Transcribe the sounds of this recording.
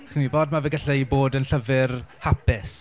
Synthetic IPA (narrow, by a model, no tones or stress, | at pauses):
χinwiboːdmavɛɡaɬɛjboːdənɬəvɪrhapɪs